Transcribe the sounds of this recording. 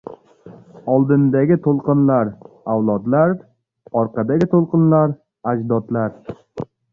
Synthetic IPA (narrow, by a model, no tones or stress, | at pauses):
ɒlˠd̪ɪnd̪aɡʲɪt̪ʰolˠqɨnlaɾ | awlˠɒd̪laɾ | ɒɾqʰɑd̪aɡʲɪt̪ʰolˠqɨnlaɾ | ad͡ʒd̪ɒt̪laɾ